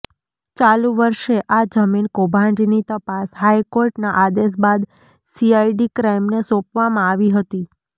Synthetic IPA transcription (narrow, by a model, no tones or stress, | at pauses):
t͡ʃalũʋəɾʃeʔad͡ʒəminkobʱãɳɖinit̪əpasɦajkoɾʈnaʔad̪es̬bad̪ | siaiɖikɾaimnesɔ̃pʋamãaʋiɦət̪i